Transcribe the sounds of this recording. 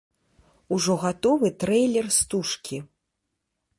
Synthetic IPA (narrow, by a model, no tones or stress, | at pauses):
uʐɔɣat̪ɔvɨt̪ɾɛjlʲɛrst̪uʂkʲi